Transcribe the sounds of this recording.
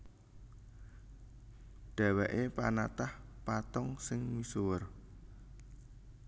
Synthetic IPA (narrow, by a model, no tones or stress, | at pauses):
ɖ̥a̤wɛʔepanat̪ahpat̪ɔŋsɪŋwisuwər